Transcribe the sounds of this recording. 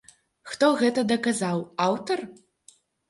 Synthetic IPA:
xt̪ɔɣɛt̪ɐd̪ɐkazawawt̪ɐr

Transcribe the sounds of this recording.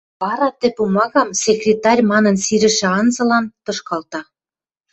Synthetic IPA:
βɑɾɑt̪ĕpumɑɣɑmsekrʲet̪ɑrʲmɑnə̆nsiɾɘ̆ʃĕɑnzɤ̆lɑnt̪ɤ̆ʃkɑlt̪ɑ

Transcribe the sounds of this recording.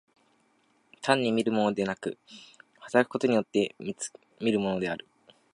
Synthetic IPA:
t̪ʰãɲ̟ːimʲiɾɯ̟mo̞no̞d̪e̞nakɯ̟̰hat̪aɾakɯ̟̥ko̞t̪o̞ɲ̟ijo̞t̪ːe̞mʲi̥ | mʲiɾɯ̟mo̞no̞d̪e̞aɾɯ̟

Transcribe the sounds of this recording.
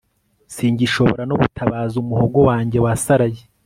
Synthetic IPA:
siːɲɟiʃo̞βo̰ɾanoβutʰaβaːzumuhoɡo̞waːɲɟe̞wasaɾaje

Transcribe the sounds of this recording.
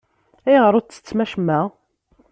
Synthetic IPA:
æjʁəɾˤʊt͡sːə̥t͡sːmæʃmæ

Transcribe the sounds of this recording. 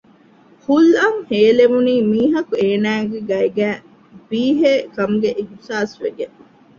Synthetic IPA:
hulɐŋheːlemuniːmiːɦɐkueːnæːɡeɡɐjɡæː | biːɦeːkɐmɡeʔihsaːsʋeɡe

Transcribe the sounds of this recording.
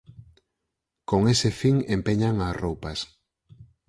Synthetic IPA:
koŋesɪfiŋempeɲaŋasrowpɐs

